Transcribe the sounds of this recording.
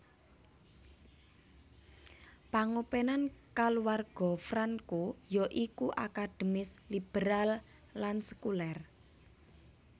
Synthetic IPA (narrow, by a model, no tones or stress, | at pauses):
paŋopenankaluwarɡ̥ɔ̤fɾankojɔʔikuʔa̰kad̪̥ə̤mɪslib̥eɾalː | ansə̥kulɛr